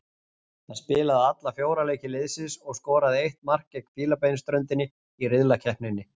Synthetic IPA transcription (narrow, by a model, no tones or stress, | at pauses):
θaðspɪːlaðɪat̪lafjoːwɾaleːjcɪlɪðsɪsɔɣskɔːɾaðɪejht̪mar̥cɛkfiːlapejnst̪ɾœnt̪ɪnːɪ | irɪðlacʰɛhpnɪnːɪ